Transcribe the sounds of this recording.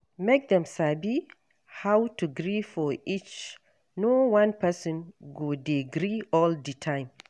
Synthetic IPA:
mek̚dɛ̃msabi | hawtuɡɾifɔit͡ʃ | nɔwãnpɛsɔ̃nɡodeɡɾiɔlditʰãj̃m

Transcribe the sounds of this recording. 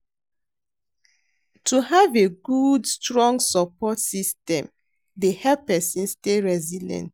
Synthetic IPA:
tʰuhaveɡudstɹɔ̃ŋɡsɔpɔtsistɛ̃m | dehɛlppːɛsĩnsteɹɛzilɛ̰̃nt

